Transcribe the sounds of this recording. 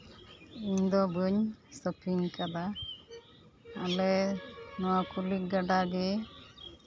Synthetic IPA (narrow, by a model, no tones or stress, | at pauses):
iɲd̪ɔbəɲsəpʰiɲkad̪a | alɛnɔwakuliɡaɖaɡɛ